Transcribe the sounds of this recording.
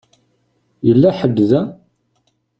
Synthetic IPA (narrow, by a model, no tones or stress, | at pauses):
jəlːæħəbːðæ